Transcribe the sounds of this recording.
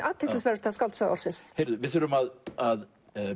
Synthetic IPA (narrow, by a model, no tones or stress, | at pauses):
ʔat̪ʰːɪt̪asvɛɾ̥t̪ʰaskalt̪saðɔ̰ɾ̥sɪst̪hejɾðʏvɪθʏɾʏmaðað